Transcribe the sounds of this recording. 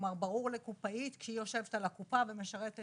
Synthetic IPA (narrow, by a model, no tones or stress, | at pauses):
maʁbaʁuʁlekupait̪kʃeijo̞ʃe̞vet̪alakupave̞me̞ʃaʁet̪e